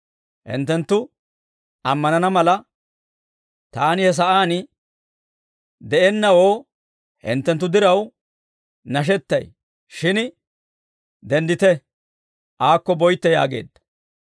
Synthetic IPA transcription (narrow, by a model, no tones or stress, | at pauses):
hɪ̰nt̪ːɛnt̪ːʊ | ɐmːɐnɐnɐmɐlɐ | t̪aːnɪhɛs̬ɐʔaːnɪ | d̪ɛʔɛnːɐwo̞ː | hɪ̰nt̪ːɛnt̪ːʊd̪ɪɾɐw | nɐʃ̬ɛt̪ːɐj | ʃɪn | d̪ɛnd̪ɪt̪ɛ | ʔaːkːɔbɔjt̪ːɛja̰ːɡe̞̰ːd̪ːɐ̥